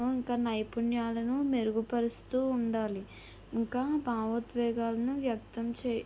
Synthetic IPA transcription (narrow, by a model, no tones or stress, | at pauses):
uiŋkaːnɐjpunjaːlɐnumeɾuɡupɐɾist̪uːɳɖaːli | iŋkaːbaːʋɐt̪ʋɛːɡaːlɐnuʋjɐk̚t̪ɐmt͡ʃeː